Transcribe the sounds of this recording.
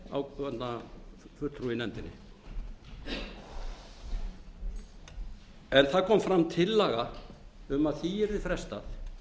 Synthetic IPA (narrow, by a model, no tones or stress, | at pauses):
a̰wvɛt̪nafʏɾ̥t̪ʰɾuɪnɛnt̪ɪnːɪ̰ | ɛnθaðkʰɔːmfɾamt̪ʰɪlːaːɣaʏmaðθiɛɾðɪfɾɛst̪aθ